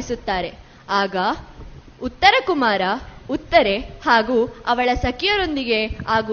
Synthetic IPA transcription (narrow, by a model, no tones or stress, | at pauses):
isut̪ːaːɾe̞ | aːɡɐ | ut̪ːɐɾɐkumaːɾɐut̪ːɐɾe̞haːɡuːɐʋɐɭɐsɐkijɐɾo̞nd̪iɡe̞aːɡu